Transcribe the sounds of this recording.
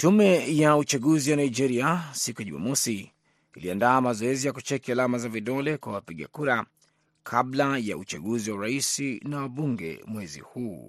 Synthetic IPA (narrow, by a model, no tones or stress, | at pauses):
tumɛjaut͡ʃaɠuzijanaid͡ʒɛɾiasikuɛʄuma̰mɔsi | iliandaːmazɔɛzijakut͡ʃɛkialamazaviɗɔlɛkwawapiɠa̰kuɾa | kʰablaja̰ut͡ʃaɠuziwauɾaisinawaɓuŋɡɛ̰mwɛzḭhuː